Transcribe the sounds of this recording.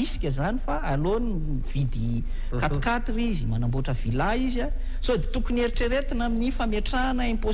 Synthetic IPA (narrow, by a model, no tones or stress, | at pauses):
isi̥kʲəzanifaaloni | v̥id̪i | kat̪u̥kat̪iɾizimanamboʈ͡ʂəvilaiza | z̥od̪et̪ukuneɾiʈ͡ʂeɾet̪inaminifameʈ͡ʂanəempo